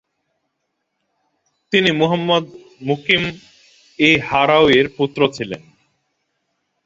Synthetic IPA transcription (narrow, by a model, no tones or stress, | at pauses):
t̪inimuɦamːod̪ | mukim | ehaɾaweɾput̪ːɾot͡ɕʰilḛn